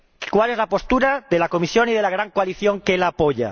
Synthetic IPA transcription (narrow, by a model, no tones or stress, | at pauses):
kwale̞zlapo̞st̪uɾaðe̞lako̞misjo̞nið̞e̞laɣ̞ɾaŋkoaliθjo̞ŋkelaːpoʎa̰